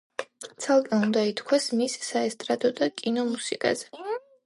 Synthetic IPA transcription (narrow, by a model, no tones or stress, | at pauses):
t̪sʰalˠkʼɛund̪ait̪ʰkʰwasmisːaɛst̪ʼɾad̪ɔd̪akʼinɔmusikʼa̰zɛ